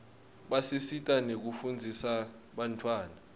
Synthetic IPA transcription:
ɓasisitʼanek̬ufund͡zʱisa | ɓantʰwaːna

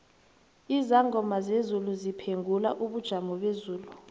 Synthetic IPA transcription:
izaŋɡʱɔmazezuluzipʰeŋɡʱula̰ʔuɓud̥ʒ̥ʱamɔɓezuːlu

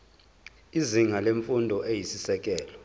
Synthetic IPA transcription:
iziŋaleɱfundʱɔʔejisisɛk̬ʼɛːlɔ

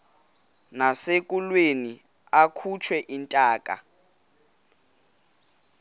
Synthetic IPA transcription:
nasek̬ʼulweni | akʰut͡ʃʰwɛʔintʼaːkʼa̰

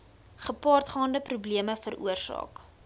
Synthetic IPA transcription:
χəpɑːrtχɑːndəprubliəməfəɾṵərsɑ̰ːk

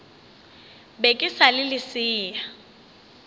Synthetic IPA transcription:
bekʼɪsalɪlɪsɪːa

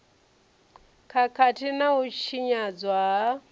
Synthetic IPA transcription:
kʰakʰatʰinauʃiɲad͡zwaɦa

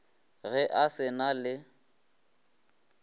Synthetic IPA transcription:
ɣɛʔasɪnalɪ

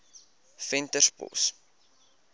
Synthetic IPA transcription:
fɛntərspɔ̰s

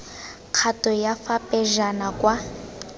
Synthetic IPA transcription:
q͡χʰatʼɔjafapʼɛʒanakʼwa

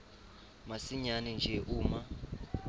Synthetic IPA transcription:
masiɲanɛnd͡ʒʱɛʔuːma

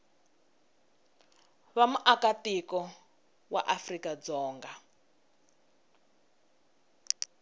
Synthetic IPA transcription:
βamuʔakatikɔ | wa̰ʔafrikad͡zɔːŋɡa

